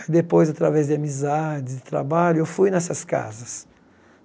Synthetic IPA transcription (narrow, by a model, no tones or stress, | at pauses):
id̪epojzat̪ɾavɛzd̪ɪamizad͡ʒɪd̪ɪt̪ɾa̰baʎʊewfujnɛsɐska̰zɐs